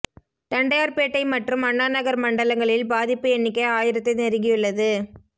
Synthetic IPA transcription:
t̪ɐɳɖɐjaːɾpeːʈːɐɪmɐʈrɯmɐɳːaːnɐɣɐɾmɐɳɖɐlɐŋɡɐɭɪlbaːðɪpːɯɛnːɪk̬ːɐɪaːjɪɾɐt̪ːɐɪnɛɾɯŋɣɡɪjɯɭːɐðɯ

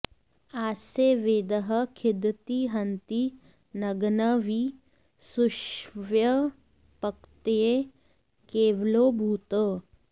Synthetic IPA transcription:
aːseʋeːd̪əɦəkʰɪd̪t̪iɦənt̪i | nəɡnəʋiː | suʃʋjə | pəkt̪e | keːʋlobʱuːt̪ə

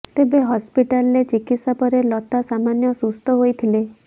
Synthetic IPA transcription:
t̪ebeɦɔspiʈalɾet͡ʃikit̪sapɔɾelɔt̪asamanjɔsust̪ɔɦojt̪ʰile

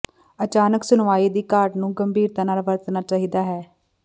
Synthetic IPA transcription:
ət͡ʃaːnəksʊnʋaːiːd̪iːkaːɾɖnũːɡəmbiːɾt̪aːnaːlʋəɾt̪naːt͡ʃaːɦiːd̪aːɦɛː

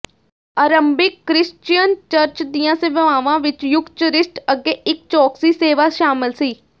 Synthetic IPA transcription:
aːɾəmbɪkːɾɪst͡ʃijənt͡ʃəɾt͡ʃd̪ijãːseʋəʋaːʋãːʋɪt͡ʃjʊkt͡ʃəɾɪsʈəɡeːɪkt͡ʃɔːksiːseːʋaːʃaːmɪlsiː

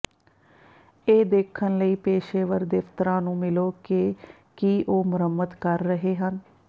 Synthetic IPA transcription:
eːd̪eːkʰənləiːpeːʃeːʋəɾd̪eːʋt̪əɾãːnũːmɪloːkeː | kiːʔoːmʊɾəmːəd̪kəɾːəɦeːɦən

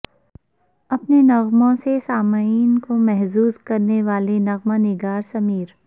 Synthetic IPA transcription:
ɐpnenɐɣmõsesaːmaiːnkomɛɦzuːzkɐɾneʋaːlenɐɣmanɪɡaːɾsɐmiːɾ

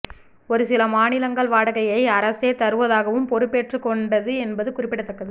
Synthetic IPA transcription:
ɔɾɯsɪlɐmaːnɪlɐŋɡɐɭʋaːɽɐɣɐjɐɪɐɾɐseːt̪ɐɾɯʋɐðaːɣɐʋɯmpɔɾɯpːeːʈrɯkːɔɳɖɐðɯɛnbɐðɯkʊrɪpːɪɽɐt̪ːɐkːɐðɯ

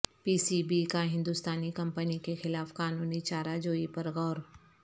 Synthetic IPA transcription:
piːsibikaɦɪ̃nd̪ʊst̪aːnikɐ̃mpənikexɪlaːfkaːnuːnit͡ʃaːɾad͡ʒoːipɐɾɣɔːɾ

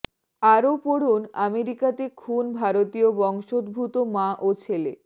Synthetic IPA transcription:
aɾopoɽuna̰meɾikat̪ekʰunbʱaɾot̪iobɔŋʃod̪̚bʱut̪omaʔot͡ɕʰele

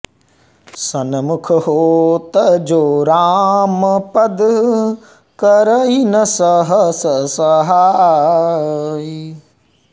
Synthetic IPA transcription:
sɐnɐmukʰɦoːt̪ɐd͡ʒoːɾaːməpɐd̪ʱ | kəɾəinɐsəɦəsəsɐɦa

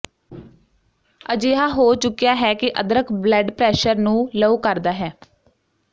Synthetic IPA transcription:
əd͡ʒeːɦaːɦoːt͡ʃʊkːijaːɦɛːkɪʔəd̪ɾəkʰblɛːɖpɾɛːʃəɾnũːləuːkəɾd̪aːɦɛː

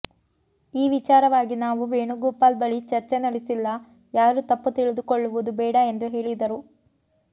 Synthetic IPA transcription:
iːʋit͡ʃaːɾɐʋaːɡinaːʋuʋeːɳuɡuːpaːlbɐɭit͡ʃɐɾt͡ʃenɐɽisilːɐ | jaːɾut̪ɐpːut̪iɭid̪ukoɭːuʋud̪ubɛːɽɐend̪uɦe̞ːɭid̪ɐɾu

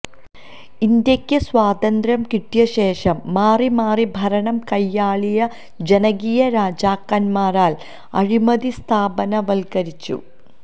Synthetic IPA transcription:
ind̪jɐkʲːɐswaːd̪ɐnd̪ɾɐmkiʈːjɐɕeːʂɐmːaːrimaːribʱɐɾɐɳɐmkɐjːaːɭijɐ | d͡ʑenɐɡijɐɾaːd͡ʑaːkːɐnmaːɾaːl | ɐ̰ɻimɐd̪ist̪ʰaːbɐnɐʋɐlkɐɾit͡ɕːṵ

